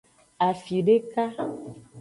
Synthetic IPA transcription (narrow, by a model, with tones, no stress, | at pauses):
a˨fi˨ɖe˦ka˦